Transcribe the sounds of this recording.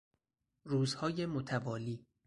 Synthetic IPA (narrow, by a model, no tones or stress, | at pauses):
ruːzhɒːjemot̪ʰævɒːliː